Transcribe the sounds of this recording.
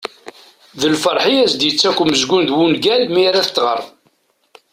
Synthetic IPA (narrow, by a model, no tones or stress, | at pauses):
ðəlfəɾˤħiæsd̪jət͡sːækʷːməzɡʷund̪wunɡælmiɾæθət͡s̪ːʁə̰ɾˤ